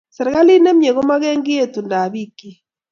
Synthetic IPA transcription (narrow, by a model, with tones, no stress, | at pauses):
sɛ˨ɾɣa˦li˦ne˦m˦e˨ɣo˦ma˦ɣɛ˦ŋɡɪ˦e˦˨tu˨nda˨βi˦kːi˦